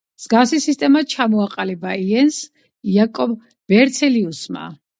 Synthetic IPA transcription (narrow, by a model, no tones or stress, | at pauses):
z̥ɡafsisist̪ʼɛmat͡ʃʰamɔaqʼalɛbaiɛns | iakʼɔb | b̥ɛɾt̪sʰɛliusma̰